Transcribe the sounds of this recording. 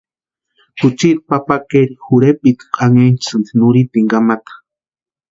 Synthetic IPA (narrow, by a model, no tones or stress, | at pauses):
kut͡ʃiɾ̚papakeɾixuɾepʼit̪i̥qʼaŋent͡sɨnd̪inuɾit̪iŋɡamat̪ḁ